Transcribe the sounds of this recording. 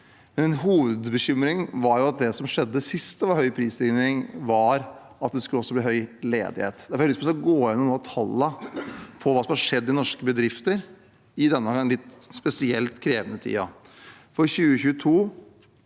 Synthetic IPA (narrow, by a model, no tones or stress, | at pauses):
mɛnɛnɦuːʋəd̪bəɕʏmɾɪŋʋɑɾjʊɑt̪̚d̪ɛsɔmʂɛd̪ːəsɪst̪əʋɑɾhœʏpʰɾiːsɪnɾɪŋʋɑɾ | ɑt̪d̪ɛskʉləɔsːɔbliːɦœʏlḛːd̪ɪhḛːt̪d̪æɾfɔklɪsmsɡoːɪnːɔmnuːt̪ʰɑlːəpʰɔʋɑːsɔmhɑʂɛd̪ːɪnɔʂkəbəd̪ɾɪft̪əɾ | ɪd̪ɛnːəlɪt̪spɛsɪɛlt̪kʰɾeːʋənət̪ʰḭːɑ̰ | fɔɾçʉːəçʉːət̪ʰuː